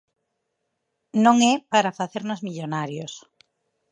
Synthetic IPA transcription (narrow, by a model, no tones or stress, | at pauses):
nõŋɛpaɾafaθeɾnozmiʎonaɾjos